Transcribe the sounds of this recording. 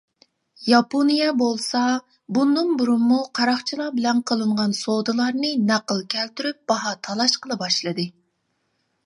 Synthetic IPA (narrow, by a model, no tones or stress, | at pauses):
jɑponijɛbolˠsɑ | bund̪ɨŋbuɾumːuqʰɑɾɑχt͡ʃʰilˠɑbɪlɛnqʰəlˠɨɴʁɑnsod̪ɨlˠɑɾnɨnæqəlˠkʲʰɛlt̪yɾyp̚b̥ɑɦɑt̪ʰɑlˠɑʃqəlˠɨbɑʃlˠɨd̪ɨ